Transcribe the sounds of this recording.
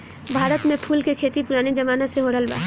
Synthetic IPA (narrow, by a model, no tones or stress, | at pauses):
bʱaːɾət̪mepʰulkekʰet̪ipuɾaːnid͡ʒəmaːnaseɦoɽəlba̰